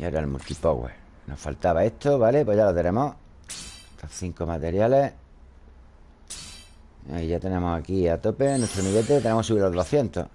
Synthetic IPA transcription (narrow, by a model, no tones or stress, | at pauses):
jaeɾalmṵlt̪ipo̰ɣwḛ | nofa̰lt̪aβae̞t̪o̞βale̞pwoʝalot̪enẽ̞mo | t̪oθiŋkomat̪e̞ɾjale̞ | iʝat̪e̞ne̞mosakiat̪o̞pe̞nwet̪ɾomiɣe̞t̪et̪e̞nemosuβiɾloðoθje̞nt̪o̰